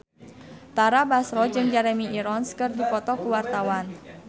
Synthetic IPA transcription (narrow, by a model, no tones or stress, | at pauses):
t̪aɾabasɾɔd͡ʒɨŋd͡ʒaɾɛmiiɾɔnskɨrdikɔt̪ɔkuwart̪awan